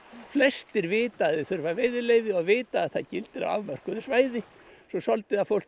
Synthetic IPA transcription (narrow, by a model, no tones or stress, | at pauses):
flɛst̪ɪɾvɪːt̪aðɪθʏɾvaveːjðɪleːjðɪɔɣvɪːt̪aːðθaðcɪlt̪ɪɾa̰a̰vmœr̥kʏðʏsvaːjðɪ | sɔsɔlt̪ɪðafowl̥